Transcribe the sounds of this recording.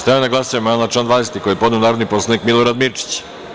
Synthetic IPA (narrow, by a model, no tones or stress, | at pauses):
st̪amenaɡlˠasujemanlat͡ʃland̪vaːd̪eset̪ikojepo̞d̪neonaːɾod̪nipo̞sˠanikmilˠoɾad̪miɾt͡ʃi̥t͡ɕ